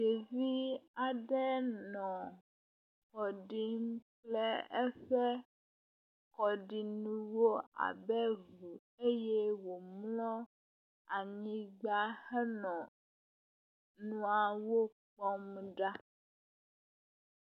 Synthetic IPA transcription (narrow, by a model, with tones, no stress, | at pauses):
je˨vi˦a˨ɖɛ˦nɔ̃˨ | kɔ˨ɖi˦m˦k͡plɛ˦ɛ˦ɸɛ˦ | kɔ˨ɖi˨nũ˦wo˦a̰˨bɛ˦vu˨ | e˦jɛ˦wo˨mlɔ̃˦ | a˨ɲĩ˦ɡ͡ba˦hɛ˦nɔ̃˨ | nũ˦a˨wo˦k͡pɔ˦m˦ɖa˦